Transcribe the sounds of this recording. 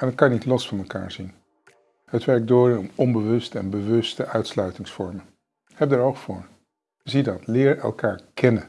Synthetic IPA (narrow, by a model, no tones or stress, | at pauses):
ɛnət̚kɑjnitlɔsfɑnmɛlka̰ːɹzin | ɦətʋɛɹk̚dʊːɹɪnɔmɔmbəʋɵstɛnbəʋɵstəʔœɥtslœɥtɪŋsfɔɹmə | hɛb̚dəɹowχfʊːɹ | zidɑtlɪːɹɛ̰lˠkaːɹkɛnə